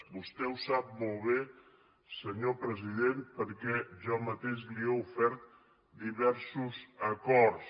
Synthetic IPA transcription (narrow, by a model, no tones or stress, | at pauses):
bust̪ɛusap̚molˠβe | səɲopɾəziðenpəɾkɛʒɔmət̪eʃliɛufɛɾt̪̚ | d̪iβɛɾsuzəkɔɾs